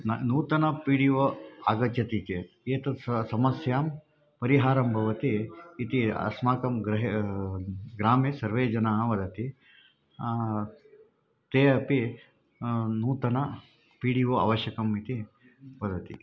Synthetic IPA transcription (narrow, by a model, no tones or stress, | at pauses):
nɐnuːt̪ɐnɐpiːɽiʋoaːɡɐt͡ʃjɐt̪ike | eːt̪ɐsɐmɐsjaːm | pɐɾiɦaːɾɐmbʱɐʋɐt̪iːt̪iɐ̰smaːkɐmɡɾɐɦ | ɡɾaːmeːsɐɾʋeːd͡ʒɐnaːɦɐʋɐd̪ʱɐt̪i | t̪eːɐpi | nuːt̪ɐnɐ | piːɽiʋoa̰ʋɐʃjɐkɐmit̪i | ʋɐd̪ʱɐt̪ḭ